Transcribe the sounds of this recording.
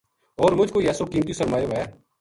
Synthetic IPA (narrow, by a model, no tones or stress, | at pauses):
ɔːɾmʊd͡ʒʱkoiɛːsokiːmt̪̬isəɾmaːjoɦɛː